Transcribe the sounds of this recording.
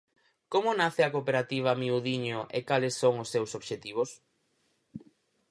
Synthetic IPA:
komʊnaθɪɐkopeɾat̪iβ̞ɐmiuðiɲʊʔekalesːoŋʊsːewsoβʃet̪iβ̞ʊs

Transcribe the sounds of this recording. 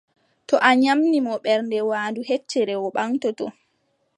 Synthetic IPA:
tɔʔaɲamnimɔɓɛɾndɛwaːnduɦet͡ʃːɛɾɛwɔɓaŋtɔtɔ

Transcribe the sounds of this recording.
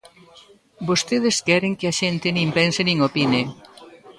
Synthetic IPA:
bost̪eð̞eskɛɾeŋkeaʃent̪enĩmpensenĩŋopine

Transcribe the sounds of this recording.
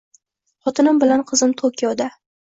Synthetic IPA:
χɒt̪ʰɪnɪmbɪlanqʰɨzɪmt̪ʰokʲʰijɒd̪a

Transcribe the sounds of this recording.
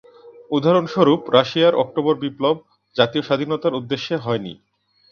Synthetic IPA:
ud̪ʱaɾonʃoɾupɾaʃijaɾʔɔk̚ʈoboɾbiplob̚ | d͡ʑat̪ioʃad̪ʱinot̪aɾud̪ːeʃːeɦɔenḭ

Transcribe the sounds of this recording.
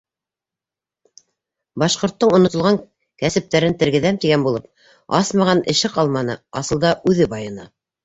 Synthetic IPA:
bɑʃqŏɾt̪ːɤɴŏnŏt̪ŏlˠʁɑŋ | kæsɘ̆p̚t̪æɾɘnt̪ɘ̆ɾɡɘ̆ðæmt̪iɡænbulˠɤp̚ | ɑsmɑʁɑnɘ̆ʃɘqɑlˠmɑnɤ̰ɑsɤ̆lˠd̪ɑʔʉðɘbɑjɤ̆nɤ̰

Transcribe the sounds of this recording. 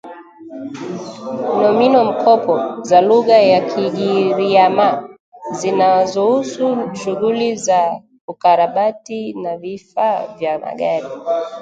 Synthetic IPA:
nɔminɔm̩kʰɔpɔzaluɣajakʰiʄiɾiama | zinazɔhusuʃuɣuliza | ukaɾaɓatinavifavjama̰ɠaɾi

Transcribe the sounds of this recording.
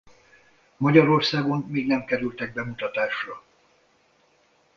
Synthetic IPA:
mɒɟɒɾo̞rsaːɡo̞nmiːɡnɛmkɛɾylt̪ɛɡ̚bɛmut̪ɒt̪aːʃrɒ

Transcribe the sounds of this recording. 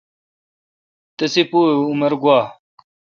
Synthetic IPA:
t̪ɐsipuːumɐɾɡwaː

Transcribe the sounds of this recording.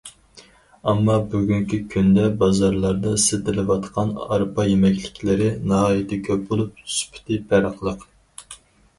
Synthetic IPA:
ɑmːɑbyɡʲyŋkʲikʲʰynd̪ɛbɑzɑɾlˠɑɾd̪ɑsɨd̪ɪlɪwɑt̪qʰɑnɑɾpʰɑjemɛkʲlɪkʲlɪɾɪnɑɦɑːjit̪ɪkʲʰøbolˠup̚tʰy̥spʰɪ̥t̪ʰɪpʰæɾəqlˠəq

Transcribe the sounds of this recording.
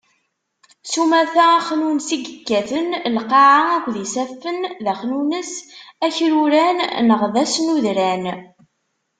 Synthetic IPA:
sumæθæχnunsiɡəkːæθənlqɑʕaækʷːðisæfːənðæχnunəsæçɾuɾænnəʁðæsnuðɾæn

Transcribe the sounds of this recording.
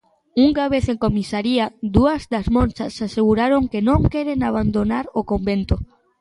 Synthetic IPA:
uŋɡaβ̞eθeŋkomisaɾiad̪uɐzd̪azmõnt͡ʃasaseɣuɾaɾoŋkenõŋkeɾenaβ̞and̪onaɾokombent̪o

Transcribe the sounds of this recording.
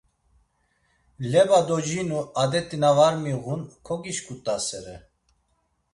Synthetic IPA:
lɛbad̪ɔd͡ʒinuad̪ɛt̪ʼinavaɾmiɣunkʰɔɡiʃkʼut̪ʼasɛɾɛ

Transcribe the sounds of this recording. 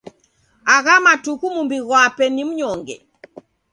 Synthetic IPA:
aɣamatukumumbiɣwapɛnim̩ɲɔŋɡɛ̰

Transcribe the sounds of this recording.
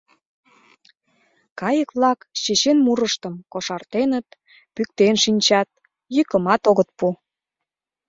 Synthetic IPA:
kɑjəkβlɑkɕet͡ɕenmuɾəʃt̪əmkoʃɑrt̪enət̪̚ | pyk̚t̪enʃinʲt͡ɕɑt̪̚ | jykəmɑt̪oɣət̪̚pu

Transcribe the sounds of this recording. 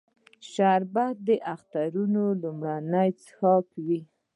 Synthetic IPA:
ʃaɾbad̪əʔaxt̪aɾunolumɽanajt͡sxɑkwi

